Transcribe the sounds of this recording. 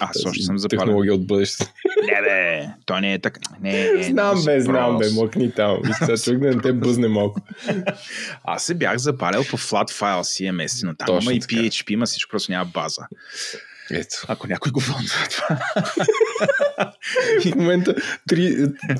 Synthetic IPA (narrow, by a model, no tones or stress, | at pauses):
asɔʃt̪osəmzɐp̪t̪ɛaɾnolˠɔɡʲiəod̪̚bɤd̪ɛʃt̪t̪nɛbɛt̪ɔjnɛɛt̪ɐknɛznambɛznnambɛmɔknit̪amiat͡ʃovɛk̚d̪ɐnɐt̪ɛbəznɛmalˠkʊ | a̰sɛbja̰xzɐpaɾɛlˠpoflˠat̪fajlˠsiɛmɛst̪inot̪a̰miimɐipiɛt͡ʃpiimɐsi̥t͡ʃko̥pɾɔst̪ʊnʲamɐba̰zə̰ | ɛ̰t̪o̥ɐkonʲakojɡovɔlˠnizɐt̪ova | ifmomɛnt̪ət̪ɾi